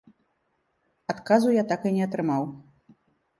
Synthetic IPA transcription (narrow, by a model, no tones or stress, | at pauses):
at̪kazujat̪akɨnʲɛɐt̪ɾɨmaw